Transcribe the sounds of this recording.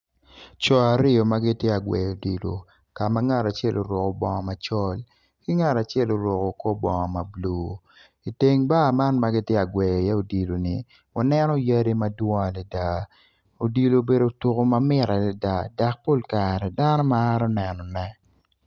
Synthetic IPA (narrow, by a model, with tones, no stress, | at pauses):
t͡ʃɔ˨a˨ɾɪ˦ɔ˨ma˦ɡɪ˦tjɛ˦a˨ɡwɛ̰˨o˨di˨lo̰˨ | ka˨ma˦ŋa˦ɾa˨t͡ʃjɛ˦lʔo˨ɾwɔ˨kɔ˨bɔ˨ŋɔ˨ma˨t͡ʃɔ˦l | ki˦ŋa˦˨ɾa˨t͡ʃɛ˦˨lo˦ɾɔ˨ko˨ko˦bɔ˨ŋɔ˨ma˨bloː˨ | i˨te˦ŋba˦˨ma˦nma˦ɡɪ˦tjɛ˦a˨ɡwɛ˨jja˦o˨di˨lo˨nɪ˨ | wa˨nɛ˦nɔ˦ja˦ɾi˦ma˦dwɔ˦a˨lɛ˨da˨ | o˨di˨lo˨be˨do˨tʊ˨ko˦ma˦mɪ˦ɾa˨la˨da˨da˨k̚po˦˨lka˨ɾɛ˨da˦nɔ˦maː˦ɾɔ˦nɛ˨nɔ˨nɛ˦˨